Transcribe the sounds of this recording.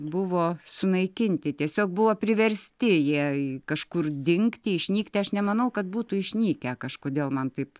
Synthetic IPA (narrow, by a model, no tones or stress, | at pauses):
bʊʋoːsʊnɐɪkʲɪnʲt̪ʲɪt̪ʲiɛsʲoːk̚bʊʋoːpʲɾʲɪʋʲɛɾʲsʲt̪ʲɪjiɛkɐʃkʊrd̪ʲɪŋkt̪ʲɪɪʃʲnʲiːkt̪ʲɪɐʃnʲɛmɐnɐʊkɐt̪̚buːt̪ʊɪʃʲnʲiːkʲæːkɐʃkoːd̪ʲeːlˠmɐnt̪ɐɪp